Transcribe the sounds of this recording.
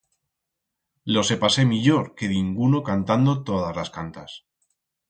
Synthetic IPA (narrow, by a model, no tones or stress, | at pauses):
lo̞se̞pase̞miʎo̞ɾke̞ðiŋɡuno̞kant̪and̪ot̪o̞ð̞azlaskant̪as